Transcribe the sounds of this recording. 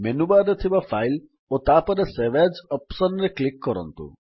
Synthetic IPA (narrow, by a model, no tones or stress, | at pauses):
menubad̪et̪ʰibafajl | ot̪apɔɾeseʋɛd͡ʒɔpsɔnɾeklikːɔɾɔ̰nt̪ṵ